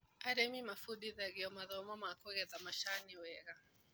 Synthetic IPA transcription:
aɾɛmimafuɗiðaɣiɔmaðɔmamakɔɣɛðamaʃaniwɛɣa

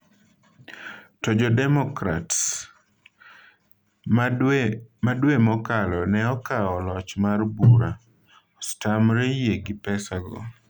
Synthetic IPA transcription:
tɔd͡ʒɔdɛmɔkɾats | madwemɔkalɔnɛɔkaɔlɔt͡ʃmarbuɾa | ɔstamɾejeɡɪpɛsaɡɔ̰

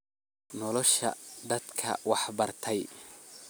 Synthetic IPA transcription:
nɔlɔʃɐ̰d̪ɐd̪kʰɐ̰wɑħbɐrt̪ʰɛj

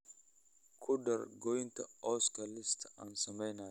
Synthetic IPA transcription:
kʰʊd̪ɐɾɡɔjɪnt̪ɐɔskɐlːɪst̪ɐnsɐmɛjna

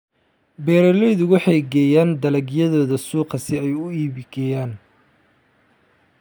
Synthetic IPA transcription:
bɛːɾɛlɛjðʊwɑħɑjɡɛːjaːnd̪ɐlɐɡjɐðɔːðɐsuːqɐsɪɛjʊiːβɪɡɛːjaːn

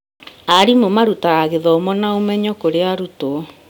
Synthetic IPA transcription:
aɾimomaɾutaaɣeðɔmɔnaomɛɲɔkoɾeaɾuto

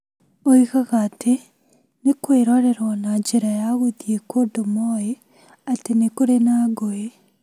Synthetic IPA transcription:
oiɣaɣatʰe | nekweɾɔɾɛɾwanad͡ʒeɾajaɣoðjekodomɔe | atenekoɾenaɡoe

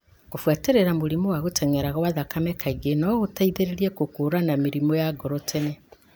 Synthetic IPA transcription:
kofwateɾeɾamoɾimowaɣotʰɛŋɛɾaɣawaðakamɛkaiɡenɔɣotaiðeɾeɾiekokuɾanamiɾimɔjaɡɔɾɔtʰenɛ

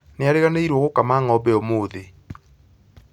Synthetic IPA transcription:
neaɾeɣaneiɾwɔɣokamaːŋɔbɛomoːðe

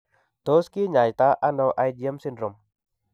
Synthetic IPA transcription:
t̪oskiɲajt̪aʔanowʔajdiəmsindɾom

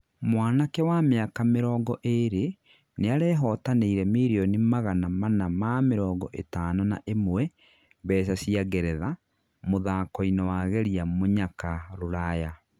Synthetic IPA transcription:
mwaːnakɛwameakameɾɔːɡɔʔeɾe | neaɾɛːɦɔːtaneiɾɛmiɾionimaɣanamanamameɾɔːɡɔʔetaːnɔna̰ʔemwɛ | bɛːsasiaɡɛɾɛða | moðaːkɔinɛwaɣɛɾiamoɲakaɾoɾaja

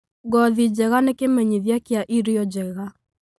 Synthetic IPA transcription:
ɡɔðid͡ʑɛɣanekemɛɲiðjakjaʔiɾiɔd͡ʑɛɣa

